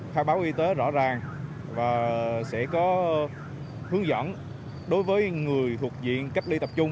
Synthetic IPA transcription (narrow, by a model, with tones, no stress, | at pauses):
t̪ʰaː˧wɓaː˨˦wʔi˧t̪e˨˦zɔ̰˧˥zaː˨˩ŋ | vaː˨˩sɛ̰˧˥kɔ˨˦ | hɨ˨˦əŋzə̰˧˥n | ɗo˨˦jvəː˨˦jŋɨ˨˩əjt̪ʰu˨˩ək̚zḭ˧˨ənka˦˥k̚li˧t̪ə˨˩p̚t͡ɕʊ˧ŋ͡m